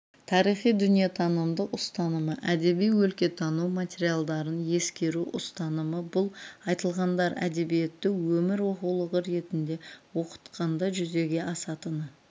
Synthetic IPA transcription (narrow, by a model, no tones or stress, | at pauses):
t̪ʰɑɾijχijd̪ʏnijet̪ʰɑnəmd̪əqʊst̪ɑnəməʔæd̪e̞bijwɵlkʲe̞t̪ʰɑnuwmat̪ʲe̞ɾijalˠd̪ɑɾənje̞skʲe̞ɾuʔʊst̪ɑnəməbʊlˠɑjt̪əlˠʁɑnd̪ɑɾæ̰d̪e̞bije̞t̪ːɪkwɵmɪɾwo̞qulˠəʁəɾe̞t̪ɪnd̪e̞wo̞qə̥t̪qɑnd̪ɑʒʏze̞ɡʲe̞ʔɑsɑt̪ənə